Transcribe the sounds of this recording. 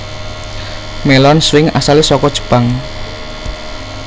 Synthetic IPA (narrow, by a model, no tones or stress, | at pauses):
melɔnswɪŋasalesɔkɔd̥ʒ̥ə̥̤paŋ